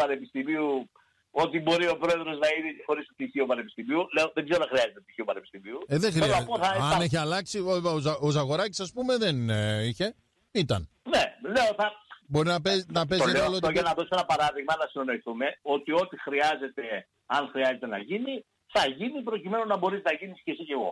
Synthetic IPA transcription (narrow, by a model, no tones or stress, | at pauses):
pɐnepist̪imiu | o̞t̪ibo̞ɾio̞pɾo̞e̞ðɾo̞znɐiðixo̞ɾist̪t̪içiopɐne̞pi̥st̪imiule̞oðeɡzeɾonɐxɾiɐzet̪et̪içioupɐnepi̥st̪imiuðexɾioɐɐpoθɐɐneçiɐlɐksioosɐɣo̞ɾɐci̥sɐspume̞ðeniçe̞ | it̪ɐnnele̞oθɐbo̞ɾinɐpenɐpezeolot̪oʝenɐðo̞soenɐpɐɾɐðiɣmɐnɐsinono̞iθume̞o̞t̪io̞t̪ixɾiɐze̞t̪e̞ | ɐnxɾiɐze̞t̪e̞nɐ̰ʝini | θɐʝinipɾo̞cime̞nonɐbo̞ɾiznɐʝinisce̞sice̞ɣo̞̰